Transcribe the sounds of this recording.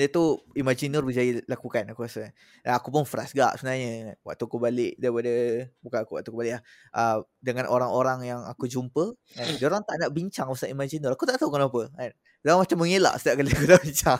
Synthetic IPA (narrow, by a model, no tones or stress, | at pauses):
dət̪uimad͡ʒinɔrbəd͡ʒailakukanakukasən | aakupʊnfɾa̰sɡa̰ʔsəbənaɲənwa̰ʔt̪ukəbalɪʔdaɾipadəbukanakuwa̰ʔt̪ukəbalɪʔlah | ʔədəŋanʔoɾaŋoɾaŋjaŋa̰kud͡ʒumpə | kandəoɾaŋt̪aʔnaʔbiɲt͡ʃaŋpasaimad͡ʒinɔɾakut̪aʔt̪aukanapəan | daamat͡ʃamːəŋela̰ʔsə̥t̪iaʔkaləkudabiɲt͡ʃa